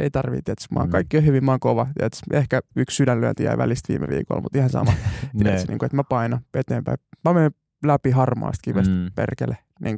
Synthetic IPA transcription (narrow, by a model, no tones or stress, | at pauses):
eit̪ɑrʋḭt̪iæt̪smɑ̰ːkɑikːiohyʋimmɑːŋkoʋɑt̪iæt̪sehkæykssydænlyø̰nt̪ijæ̰iʋælist̪ʋḭːmḛʋḭːko̰lmut̪ihɑnsɑ̰mɑt̪iæt̪snḭːŋkoet̪mæpɑinɑet̪eːmpæimæmen | læpihɑrmɑ̰ːst̪̚kiʋest̪pḛrkḛle | nʔiːŋ